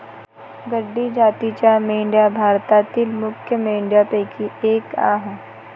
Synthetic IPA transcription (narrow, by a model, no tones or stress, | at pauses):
ɡɐɖːid͡ʒaːt̪it͡ʃaːmeːɳɖijabʱaːɾt̪aːt̪ilmʊkʰjəmẽːɳɖijapeːkʰieːkã̰ːɦ